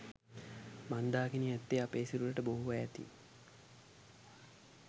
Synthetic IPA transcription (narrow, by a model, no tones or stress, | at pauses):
mand̪aːkiniæt̪ːeapeːsiluləʈəboɦuʋaɛt̪ḭ